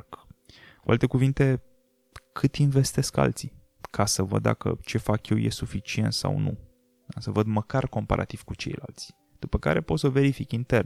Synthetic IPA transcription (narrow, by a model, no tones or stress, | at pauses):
kuʔalt̪e̞kuvint̪e̞ | kʰɨt̪inve̞st̪e̞ska̰lt̪si | kʰasəvə̰d̪ːa̰kə̰t͡ʃe̞fakjewjʔesufit͡ʃie̞nt̪sa̰wnṵ | asəvəd̪məkarko̞mpa̰ɾʔa̰t̪iv̥kut͡ʃe̞̰jla̰lt̪sʲ | d̪̥upəka̰ɾe̞po̞t̪sove̞ɾifikint̪e̞rn